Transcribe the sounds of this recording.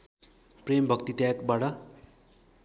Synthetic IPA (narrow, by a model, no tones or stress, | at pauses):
prembʱʌkt̪it̪jakbaʈʌ